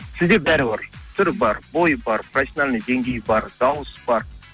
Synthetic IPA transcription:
sɪzd̪ebæɾɪbəɾt̪ʰʏɾɪbɑɾbo̞jbɑɾprasʲjonalʲnəd̪e̞ŋɡʲe̞jbɑɾd̪̥ɑwəsb̥ɑɾ

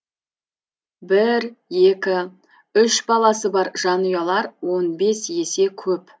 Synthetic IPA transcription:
bɪɾje̞kʲɪ | ʏʃbɑlˠɑsəbɑɾʒ̥ɑnujɑlˠɑɾwo̞nbe̞sje̞se̞kʲʰɵp

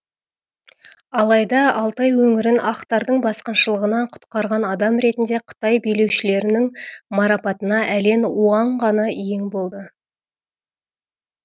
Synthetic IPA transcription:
ɑlˠɑjd̪ɑɑlˠt̪ɑjwɵŋɪɾɪnʔɑqt̪ɑɾd̪əɴbɑsqɑnʃəlˠəʁənɑɴqʰʊ̥t̪qɑɾʁɑnɑd̪ɑmɾe̞t̪ɪnd̪e̞qʰʊ̥t̪ɑjbejle̞wʃɪle̞ɾɪnɪŋmɑɾɑpɑt̪ənɑʔæle̞nuɑɴʁɑnɑjeŋbo̞lˠd̪ə

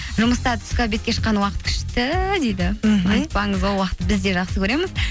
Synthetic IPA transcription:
ʒʊməst̪ɑt̪ʰʏ̥skʲɑbe̞t̪kʲe̞ʃə̥qːɑnwɑqət̪kʲʰʏ̥ʃt̪ɪd̪ejd̪ɪɑjt̪̚pɑɴəzwo̞lˠwɑqət̪ːəbɪzd̪e̞ʒɑqsəkʲʰɵɾe̞mɪz

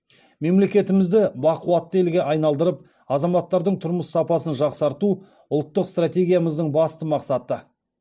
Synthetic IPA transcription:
me̞mle̞kʲe̞t̪ɪmɪzd̪ɪbɑquwɑt̪ːelɡʲe̞ʔɑjnɑlˠd̪əɾəp̚ | ɑzɑmɑt̪ːɑɾd̪əɴt̪ʰʊɾməsːɑpɑsənʒɑqsɑɾt̪u | ʊlˠt̪ːəqst̪rat̪ʲe̞ɡʲijaməzd̪əɴbɑst̪əmɑqsɑt̪ə

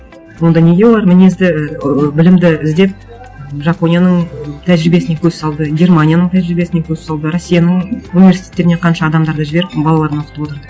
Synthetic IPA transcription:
wo̞nd̪ɑne̞ɡʲe̞wolˠɑɾmɪnezd̪ɪbɪlɪmd̪ɪɪzd̪e̞p̚ | ʒɑpo̞nʲijanəɴt̪ʰæʒɪɾɪbe̞sɪnekʲʰɵz̥sɑlˠd̪əɡʲe̞rmanʲijanəɴt̪ʰæʒɪɾibe̞sɪne̞kʲʰɵzsɑlˠd̪əɾosʲːijanəɴunivʲesi̥t̪ʰʲet̪ːe̞ɾɪne̞qʰɑnʃɑːd̪ɑmd̪ɑɾd̪ɑʒɪbe̞ɾɪpbɑlˠɑlˠɑɾənoqət̪əbot̪əɾə

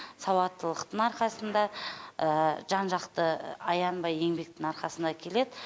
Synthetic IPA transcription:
sɑwɑt̪ːəlˠəqt̪əɴɑɾqɑsənd̪ɑəʒɑnʒɑqt̪əɑjɑnbɑje̞ŋbe̞k̚t̪ɪŋɑɾqɑsənd̪ɑkʲʰe̞le̞d̪ɪ

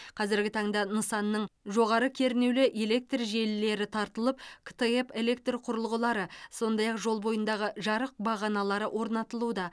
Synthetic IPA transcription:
qʰɑzɪɾɡʲɪt̪ʰɑɴd̪ɑnəsɑnːəɴʒo̞ʁɑɾəkʲʰe̞ɾnewlɪʔe̞le̞k̚t̪rʒe̞lːe̞ɾɪt̪ʰɑɾt̪əlˠəp̚kʰt̪eepe̞le̞k̚t̪rqʰʊɾəlˠʁəlˠɑɾəso̞nd̪ɑjɑqʒo̞lˠbo̞jənd̪ɑʁəʒɑɾəq̚bɑʁɑnɑlˠɑɾəwʔo̞ɾnɑt̪əlˠud̪ɑ

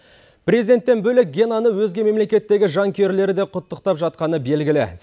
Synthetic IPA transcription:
prʲezid̪e̞nt̪ːe̞nbɵlɪk̚ɡʲenanəwɵzɡʲe̞me̞mle̞kʲe̞t̪ːe̞ɡʲɪʒɑŋkʲʰe̞ɾle̞ɾɪd̪e̞qʰʊt̪ːəqt̪ɑpʒɑt̪̚qɑnəbe̞lɡʲɪlɪ̰

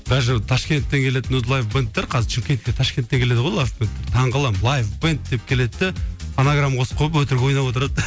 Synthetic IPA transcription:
bæʒɪt̪ʰɑʃkʲe̞nt̪ːe̞ŋkʲʰe̞let̪ɪnɵzlˠajfbənt̪̚ːeɾqʰɑzɪɾʃʰimʲkʲe̞nt̪kʲet̪ʰɑʃkʲent̪ːeŋkʲʰele̞d̪əʁo̞jlˠajfbənt̪ːeɾt̪ʰɑɴʁəlˠɑmlˠajfbɨnt̪̚d̪e̞p̚kʲʰe̞le̞t̪ːɪanaɡramqʰo̞sqʰəəpwɵt̪ɪɾɡʲeo̞jnɑpwo̞t̪əɾɑd̪

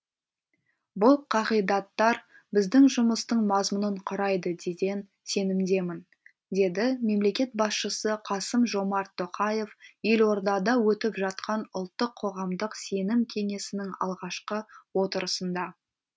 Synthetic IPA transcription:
bʊlˠqʰɑʁijd̪ɑt̪ːɑɾ | bɪzd̪ɪŋʒʊməst̪əɴmɑzmʊnəɴqʰʊɾɑjd̪əd̪e̞ɡʲe̞n | se̞nɪmd̪e̞mɪn | d̪e̞d̪ɪme̞mle̞kʲe̞t̪̚bɑsʃəsəqʰɑsəmʒo̞mɑɾt̪ʰːoqɑje̞fje̞lwo̞ɾd̪ɑd̪ɑwɵt̪ɪpʒɑt̪̚qʰɑnʊlˠt̪ːəqʰːo̞ʁɑmd̪əqse̞nɪmkʲʰe̞ŋe̞sɪnɪŋɑ̰lˠʁɑʃqəwo̞t̪əɾəsənd̪ɑ

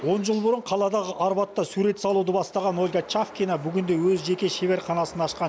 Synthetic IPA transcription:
wo̞nʒəlˠbʊɾəɴqʰɑlˠɑd̪ɑʁəʔɑɾbɑt̪ːɑsuɾe̞t̪sɑlˠud̪əbɑst̪ɑʁɑno̞lʲɡat͡ʃafkʲinabʏɡʲɪnd̪e̞wɵzʒe̞kʲe̞ʃe̞βe̞ɾqʰɑnɑsənɑʃqɑ

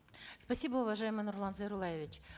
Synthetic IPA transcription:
spɐsʲibəʊvɐʐajɪmɨjnʊrlˠanzəɾʊlˠajɪvʲɪt͡ɕ

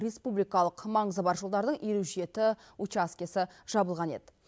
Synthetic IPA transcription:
ɾe̞spublijkɑlˠəqmɑɴəzəbɑɾʒo̞lˠd̪ɑɾd̪əɴeɾuʒije̞t̪ɪ | ut͡ʃaskʲesɪʒ̥ɑbəlˠʁɑne̞̰d̪ɪ

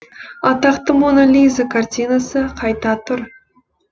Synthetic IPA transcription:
ɑt̪ɑqt̪əmonolʲizakʰart̪ʲijnasəqʰɑjt̪ɑt̪ʰʊɾ

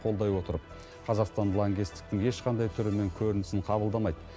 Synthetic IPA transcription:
qʰo̞ld̪ɑjwo̞t̪əɾəp̚ | qʰɑzɑqst̪ɑnlˠoŋɡʲist̪ɪ̥k̚t̪ɪŋje̞ʃqʰɑnd̪ɑjt̪ʰʏɾɪme̞ŋkʲʰɵɾɪnɪsɪɴqʰɑbəlˠd̪ɑmɑjd̪ə

